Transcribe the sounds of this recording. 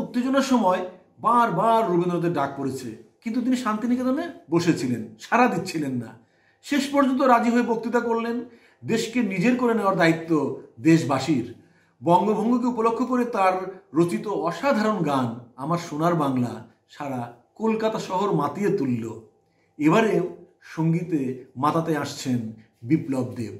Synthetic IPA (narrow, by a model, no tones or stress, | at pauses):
ut̪ːed͡ʑoneɾʃɔmɔe | baɾbaɾːubend̪ɾod̪eɾɖak̚poɾet͡ɕʰḛkint̪ut̪iniʃant̪iniked̪oneboʃet͡ɕʰilenʃaɾad̪it̪ːɕʰilenːa̰ | ʃeʃpɔɾd͡ʑont̪̬oɾad͡ʑiɦoebok̚t̪it̪akoɾlen | d̪eʃkenid͡ʑeɾkoɾeneoaɾd̪ait̪ːod̪eʃbaʃiɾ | bɔŋɡobʱɔŋɡok̬eupolokʰːokoɾet̪aɾːot͡ɕit̪oɔʃad̪ʱaɾonɡanamaɾʃonaɾbaŋla̰ | ʃaɾa | kolkat̪aʃɔɦoɾmat̪iet̪ulːo | eβaɾe | ʃoŋɡit̪emat̪at̪eaʃt͡ɕʰen | biplob̚d̪ḛ